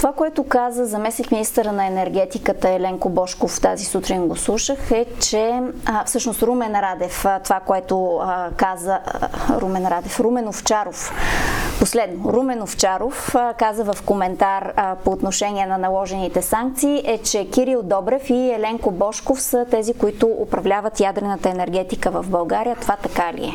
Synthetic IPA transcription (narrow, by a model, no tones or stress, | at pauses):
t̪ovakoɛt̪okazəzɐmɛsnikminist̪əɾənɐɛnɛɾɡɛt̪ikət̪əɛlɛŋkobɔʃkoft̪a̰zisut̪ɾinɡoslˠuʃəxɛt͡ʃɛfsɤʃnost̪ɾumɛnɾad̪ɛft̪ovakoɛt̪okazəɾumɛnɾad̪ɛfɾumɛnoft͡ʃaɾof | poslɛd̪noɾumɛnoft͡ʃaɾofkazəvəfkomɛnt̪aɾpoːt̪noʃɛniɛnɐnɐlˠɔʒɛnit̪ɛsaŋk̚t̪siːʔɛt͡ʃɛkiɾilˠd̪ɔbɾɛfiɛlɛŋkobɔʃkofsət̪ɛzikoit̪ʊʔopɾɐvlʲavət̪jad̪ɾɛnət̪əɛnɛɾɡɛt̪ikəvəvbɐlˠɡaɾijət̪ovat̪ɐkalḭɛ̰